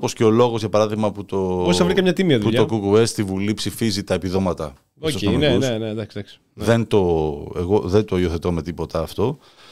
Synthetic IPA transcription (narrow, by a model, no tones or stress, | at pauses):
po̞sce̞olo̞ɣo̞zʝɐpɐɾɐðiɣmɐput̪o̞ossɐvɾikɐmɲɐt̪imiɐðupuʎokukuest̪ivulipsifizit̪ɐepiðo̞mɐt̪ɐ̰ | ososonunened̪ɐksid̪ɐksi̥ | ðe̞nt̪o̞eɣo̞ðent̪oioθe̞t̪o̞me̞t̪ipo̞t̪ɐːft̪o̞